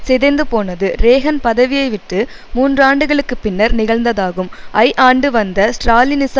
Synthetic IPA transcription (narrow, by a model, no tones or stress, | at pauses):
sɛðɐnd̪ɯpoːnɐðɯɾeːɣɐnpɐðɐʋɪjɐɪʋɪʈːɯ | muːndraːɳɖɯɣɐɭɯkːɯpːɪnːɐɾnɪɣɐɭnd̪ɐðaːɣɯmɐɪʔaːɳɖɯʋɐnd̪ɐsʈɾaːlɪnɪs